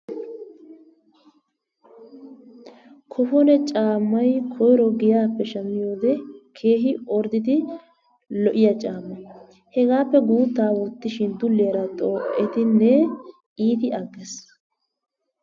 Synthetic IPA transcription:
kʰɔfɔnɛt͡ʃʼaːmːɐjkʰɔjɾɔɡɪjaːpːɛʃɐmːɪjo̞ːd̪ɛkʰe̞ːɦɪɔɾd̪ɪd̪ɪ | lɔʔɪjɐt͡ʃʼaːmːɐ | hɛɡaːpːɛɡuːt̪ːaːwʊt̪ːɪʃɪnd̪ʊlːɪjɐɾɐt̪ʼoːʔɛt̪ɪnːɛ | iːt̪ɪɐɡːɛs

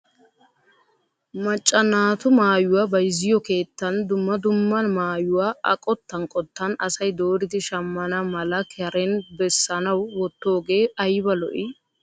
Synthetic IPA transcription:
mɐt͡ʃʼːɐnaːt̪ʊmaːjʊwabɐjɪzɪjɔke̞ːt̪ːɐnd̪ʊmːɐd̪ʊmːɐnmaːjʊwaːʔɐ̰kʼɔt̪ːɐnkʼɔt̪ːɐnɐsɐjd̪o̞ːɾɪd̪ɪʃɐmːɐnɐmɐlɐkɪɐɾɛnbɛsːɐnɐwːɔt̪ːo̞ːɡe̞ːɐjbɐlɔ̰ʔɪ

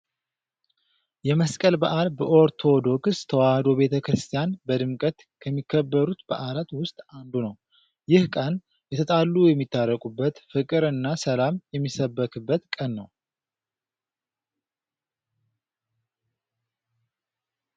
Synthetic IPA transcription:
jɛməskʼəlbaʔalbəʔo̞ɾt̪ʰo̞d̪o̞kst̪ʰəwahd̪o̞be̞t̪ʰəkɾɨst̪ʰijanbəd̪ɨmkʼət̪ | kʰəmːikʰːəbːəɾut̪bəʔalat̪wʊst̪ʼand̪unəw | jɪhkʼan | jɛt̪ʰət̪ʼalːujɛmːit̪ːarːəkʼubːət̪fɨkʼɨɾɨnːasəlamjɛmːisəbːəkʰɨbːət̪kʼənːəw

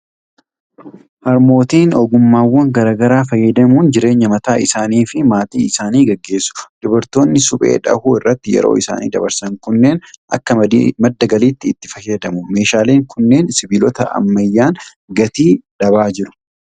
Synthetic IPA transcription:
hɐɾmo̞ːt̪iːnɔɡʊmːaːwːɐŋɡɐɾaːɡɐɾaːfɐjːɐd̪ɐmuːnd͡ʒɪɾe̞ːɲːɐmɐt̪aːɪsaːniːfɪmaːt̪iːɪsaːniːɡɐɡːe̞ːsːʊ̥d̪̥ʊbɐɾt̪o̞ːnːɪsʊpʼe̞̰ːᶑɐ̰huːɪrːɐt̪ːɪjɛ̰ɾo̰ːɪsa̰ːnḭːd̪ɐ̰bɐɾsɐŋkʊnːe̞ːnʔɐ̰kːɐmɐd̪ːɐɡɐliːt̪ːɪːt̪ːɪ̥fɐjɐd̪ɐmʊme̞ːʃaːle̞ːŋkʊnːe̞ːnsɪbiːlɔt̪ɐʔɐ̰mːɐjːaːn | ɡɐt̪iːᶑ̪ɐβaːd͡ʒɪɾʊ̥

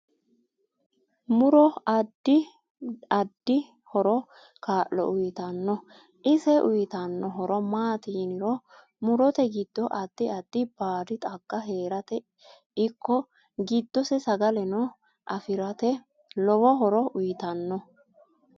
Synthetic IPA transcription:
mʊɾɔɐd̪ːɪ | ɐd̪ːɪ | hɔɾɔ | kaːʔɔ̰ʔʊjɪt̪ɐnːɔ | ʔɪsɛʔʊjɪt̪ɐnːɔɦɔɾɔmaːt̪inɪɾɔ | mʊɾɔt̪ɛɡɪd̪̥ːɔʔɐd̪̥ːɪɐd̪ːɪb̥aːd̪ɪt̪ʼɐkːɐɦeːɾɐt̪ɛ | ɪkʰːɔ | ɡɪd̪ːɔsɛsɐɡɐlɛnɔ | ʔɐfɪɾɐt̪ɛ | lɔbɔɦɔɾɔʔʊjɪt̪ɐnːɔ

